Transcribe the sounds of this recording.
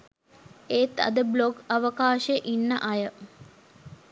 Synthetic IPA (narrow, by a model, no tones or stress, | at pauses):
eːt̪ɐ̰d̪əbloɡɐʋəkaːʃeʔinːəʔɐjə